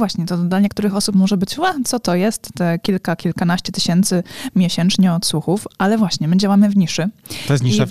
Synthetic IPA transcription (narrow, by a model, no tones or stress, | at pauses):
vwaɕɲɛt̪ɔd̪laɲɛkt̪uɾɘxɔsupmɔʐɛbɘt͡ɕvat̪sɔt̪ɔjɛst̪ːɛkʲilkakʲilkanaɕt͡ɕɛt̪ɘɕɛnt̪sɘmʲjɛɕɛnt͡ʂɲɛɔt̪suxufalɛvwaɕɲɛmɘd͡ʑawamɘvɲiʂɘt̪ɔjɛst̪ɲiʂɛ